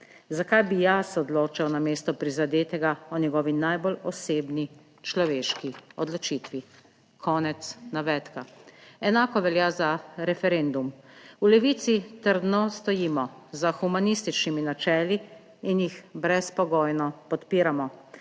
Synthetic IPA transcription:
zakajbijasɔd̪loːt͡ʃawnameːst̪ɔpɾizad̪eːt̪ɛɡaɔnɛɡɔːʋinajbɔlɔseːbni | t͡ʃlɔʋeːʃkiɔd̪lɔt͡ʃiːt̪ʋi | kʰɔːnɛt̪snaʋɛːt̪kaɛnaːkɔʋɛljaːzaɾɛfɛɾend̪umulɛʋiːt̪sit̪əɾd̪nɔst̪ɔjiːmɔzaxumanist̪it͡ʃniminat͡ʃɛːliː | njixbɾɛspɔɡɔːjnɔpɔt̪piːɾamɔ

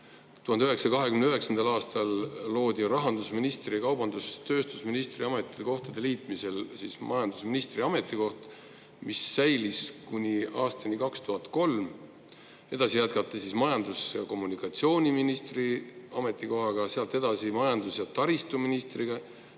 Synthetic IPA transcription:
t̪uhɑnd̪̥yhe̞ksɑkɑɦekymnyɦe̞ksɑnd̪ɑlɑːst̪ɑlːo̞ːd̪̥ʲirɑɦɑnd̪usminist̪rikɑwb̥ɑnd̪̥ust̪ø̞ːst̪u̥sminist̪riɑme̞t̪ːˑi̥eko̞ht̪ɑd̪̥e̞liːt̪ˑmise̞lsismʔɑjɑnd̪̥usminist̪riɑme̞t̪ːˑiko̞ht̪ | misːæjliskunʲiɑːst̪ɑnikɑkst̪uɦɑt̪ˑko̞lm | e̞d̪ɑsijæt̪kɑt̪ːˑesismɑjɑnd̪usjɑko̞mːunikːˑɑt̪sio̞ːnʲiminist̪riɑme̞t̪ːˑiko̞ɦɑɡɑseɑlt̪e̞d̪̥ɑsimɑjɑnd̪̥usjɑt̪ɑɾist̪uminist̪riɡ̥ɑ

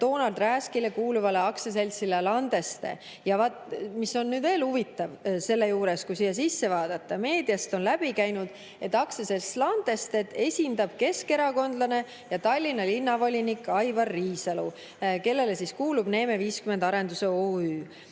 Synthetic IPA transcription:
t̪o̞ːnɑld̪ræːskile̞kuːluvɑle̞ɑkses̬e̞lʲsilelɑnd̪e̞st̪e̞̰ | jɑvɑt̪miso̞nːyːd̪ve̞ːlhuvit̪ːˑɑvse̞lːe̞juːɾe̞skusijɑs̬isːe̞vɑːd̪̥ɑt̪ːɑme̞ːd̪ijɑst̪o̞nlæb̥ikæjnud̪̥ | e̞t̪ːˑɑksese̞lslɑnd̪e̞st̪e̞t̪e̞sʲind̪ɑb̥̚ke̞ske̞ɾɑko̞nd̪̥lɑne̞ | jɑt̪ɑlʲːinɑlinːɑvo̞lʲinikːˑɑjvɑrːiːsɑlu | ke̞lːe̞le̞siskuːlub̥ne̞ːme̞viːskymend̪ɑɾe̞nd̪̥useoːyː

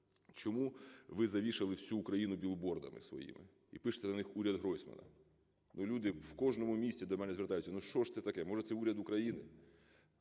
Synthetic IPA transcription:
t͡ʃɔmuʋɪzɐʋʲiʃɐlˠɪwsʲuːkɾɐjinʊbʲilˠbɔrd̪ɐ̰mɪ̰sʋɔ̰jḭmɪ̰ | ḭpɪʃt̪ɛnɐnɪxuɾʲjɐd̪ɦɾɔjsʲmɐ̰nɐ̰ | nulʲud̪ɪwkɔʒnɔmʊmʲisʲtʲid̪ɔmɛnɛzʋert̪ajʊt͡sʲːɐnuʃt͡ʃɔʃt̪sɛt̪ɐkɛmɔʒɛt̪sɛuɾʲɐd̪ʊkɾɐjinɪ̰

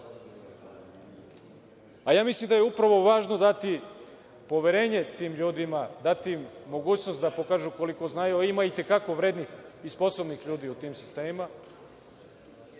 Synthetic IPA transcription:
ajaːmislimd̪ajeupɾaʋo̞ʋaːʒno̞d̪at̪i | po̞ʋjeɾeːɲe̞t̪iːmʎuːd̪imad̪at̪imo̞ɡuːt͡ɕno̞st̪d̪apo̞kaːʒuko̞liko̞znajuimait̪e̞kako̞ʋɾeːd̪nixispo̞sobnixʎuːd̪iut̪iːmsi̥st̪eːma

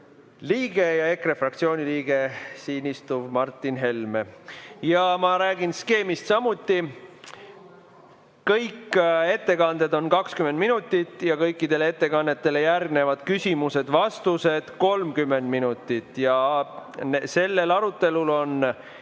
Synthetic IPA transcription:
liːɡe̞jɑe̞krefrɑk̚t̪sio̞ːnʲiliːɡ̥e̞siːnist̪ubmɑrt̪ːˑinɦe̞lmejɑmɑɾæːɡ̥inske̞ːmist̪sɑmut̪ːi | kɤjke̞t̪ːe̞kɑnd̪̥e̞d̪o̞nkɑkskymend̪minut̪ˑːit̪ːˑjɑkɤ̞jkːid̪e̞lee̞t̪ːe̞kɑnːe̞t̪ːe̞le̞jærɡ̚ne̞vɑd̪̥kysʲimuse̞d̪̥vɑst̪use̞d̪̥ko̞lmkymːe̞nd̪minut̪ːˑit̪ˑjɑ | se̞lːe̞lɑɾut̪ːˑe̞lulo̞n

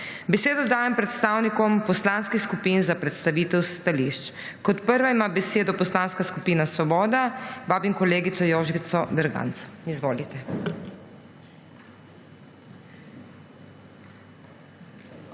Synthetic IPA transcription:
bɛseːd̪ɔd̪aːjɛmpɾɛt̪st̪aːwnikɔmpɔslanskixskupiːnzapɾɛt̪st̪aʋiːt̪ɛwst̪aliʃt͡ʃ | kɔt̪pəɾʋaimaːbɛseːd̪ɔpɔslaːnskaskupiːnasʋɔbɔːd̪abaːbimkɔleːɡit̪sɔjɔːʒit̪sɔd̪əɾɡa̰nt̪sizʋoːlit̪ɛ

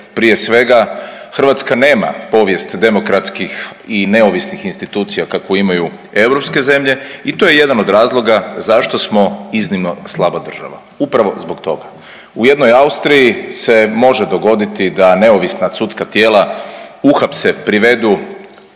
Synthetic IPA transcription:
pɾije̞sʋe̞ɡaxr̩ʋat̪skane̞ːma̰po̞ʋje̞st̪d̪e̞mo̞kɾat̪skixine̞oʋisnixinst̪it̪uːt̪sijakakoimaju | e̞wɾo̞pske̞ze̞mʎe̞it̪o̞je̞je̞d̪anod̪ɾaːzlˠo̞ɡazaʃt̪o̞smo̞iznimno̞slˠabad̪r̩ʒa̰ʋa̰ | upɾaʋo̞zbokt̪o̞ɡa | uje̞d̪nojaust̪ɾijise̞mo̞ʒed̪o̞ɡo̞d̪it̪id̪ane̞oʋisnasut̪skat̪je̞ːlauxapsepɾiʋe̞d̪u

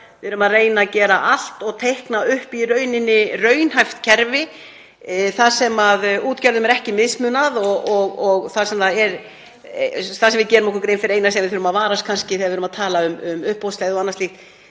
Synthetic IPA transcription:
vɪðʏɾʏmaðreːjnacɛːɾaʔal̥t̪ɔɣt̪ʰejhknaʏhpirœːɥnɪnːɪrœɥnhajft̪cʰɛɾvɪ | θaðsɛmaðuːt̪cɛɾðʏmɛɾɛhcɪmɪðsmʏnaðɔɣɔɣɔɣθaðsɛmθaðɛɾ | θaðsɛmvɪðcɛːɾʏmɛhkʏɾkɾejnfɪɾeːjnasɛamvɪðθʏɾʏmaðvaːɾaskʰanscɪθɛːaðvɪɾʏmaðt̪ʰaːlaʏmʏmʏhpowst̪lɛɣðɪɔɣanːast̪ixt̪

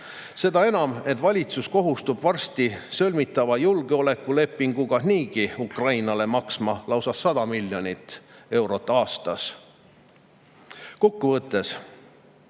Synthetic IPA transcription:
se̞d̪̥ɑe̞nɑme̞t̪ːvɑlʲit̪susko̞ɦust̪ub̥vɑrst̪isɤlʲmit̪ːˑɑvɑjulɡ̥eo̞le̞kːˑule̞pːiŋɡ̥ukɑɦniːɡiukrɑjnɑle̞mɑksmɑlɑwsɑsːɑd̪̥ɑmilʲːjo̞nit̪ːˑe̞wɾo̞t̪ːˑɑːst̪ɑs | ko̞kːuvɤt̪ːˑe̞s

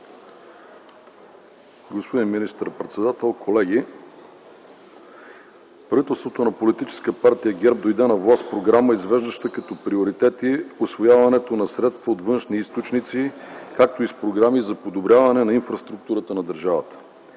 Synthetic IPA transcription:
ɡospod̪inminist̪əɾpɾɛt̪sɛd̪at̪ɛlˠkʰolɛɡ̟i | pɾɐvit̪ɛlˠst̪vot̪onɐpolit̪it͡ʃɛ̥skəpaɾt̪ijəɡʲɛɾb̚d̪ojd̪ɛnɐvlˠaspɾoɡɾaməizvɛʒd̪əʃt̪əkɐt̪ɔpɾioɾit̪ɛt̪iosvojavɐnɛt̪onɐsɾɛt̪st̪vɐot̪vɤnʃniist̪ot͡ʃnit̪sikak̚t̪oispɾoɡɾamizɐpod̪obɾʲavɐnɛnɐinfɾɐst̪ɾuk̚t̪uɾət̪ənɐd̪əɾʒavət̪ə̥

